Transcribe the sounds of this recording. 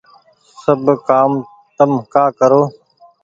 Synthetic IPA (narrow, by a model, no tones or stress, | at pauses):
səbkaːm | t̪əmkaːkəɾoː